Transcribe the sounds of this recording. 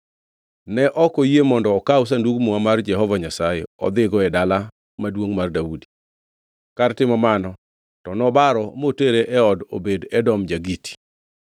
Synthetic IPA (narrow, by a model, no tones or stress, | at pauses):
nɛʔɔkojemɔndɔːkaʊs̬anduɡmuamard͡ʒɛɦɔvaɲasajeɔ̰d̪ɪɡɔɛdala | madwoŋmardaudi̥ | kartɪmɔmanɔ | tɔnɔbaɾɔmoteɾeʔɛɔdo̰bedɛdɔmd͡ʒaɡiti̥